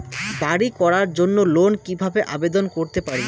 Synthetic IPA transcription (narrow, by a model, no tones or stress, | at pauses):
baɽikɔɾaɾd͡ʑonːolonkibʱabeʔa̰bed̪onkoɾt̪epaɾi